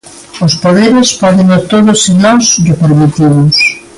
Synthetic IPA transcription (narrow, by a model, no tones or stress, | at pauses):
ʊspoðeɾɪspɔðɪŋɐt̪oðʊsinɔsðɪpeɾmit̪iβʊs